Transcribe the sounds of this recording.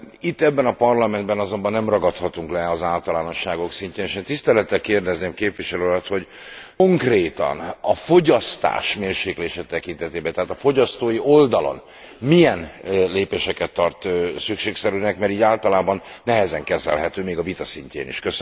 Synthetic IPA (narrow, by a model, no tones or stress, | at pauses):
it̪ːɛbːɛnɒpɒrlɒmɛnd̪̚bɛnɒzo̞mbɒnːɛmrɒɡɒt̪hɒt̪uŋklɛɒzaːlt̪ɒlaːno̞ʃːaːɡo̞ksiɲceːneːʃeːnt̪ist̪ɛlɛt̪ːɛlkeːrd̪ɛzneːmkeːpʋiʃɛløːlɒt̪ho̞ɟ | oŋkreːt̪ɒ̰nɒfo̞ɟɒst̪a̰ːʃmeːrʃeːkleːʃɛt̪ɛkint̪ɛt̪eːbɛnt̪ɛɦaːt̪ɒfo̞ɟɒst̪oːjiʔo̞ld̪ɒlo̰n | mijɛnleːpeːʃɛkɛt̪ːɒrt̪sykʃeːksɛɾyːnɛkmɛɾiːɟaːlt̪ɒlaːbɒnːɛɦɛzɛŋkɛzɛ̰lɦɛt̪øːmeːɡɒvit̪ɒsiɲcḛːnḭʃkøs